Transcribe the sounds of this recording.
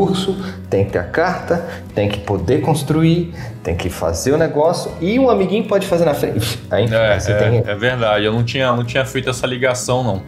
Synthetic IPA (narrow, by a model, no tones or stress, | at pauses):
uɾsʊt̪ẽj̃kɪ̥t̪eɾɐkaɾt̪ɐ | t̪ẽj̃kɪ̥pod̪ekõst̪ɾui | t̪ẽj̃kɪfa̰zeɾʊneɡɔsjʊɪũamiɡĩɲʊpɔd͡ʒɪfazeɾnɐfɾḛ̃aĩɛseɛẽɛveɾd̪ad͡ʒɪewnɐ̃w̃t͡ʃĩɲɐnɐ̃w̃t͡ʃĩɲɐfejt̪ʊɛsɐliɡasɐ̃w̃nɐ̃w̃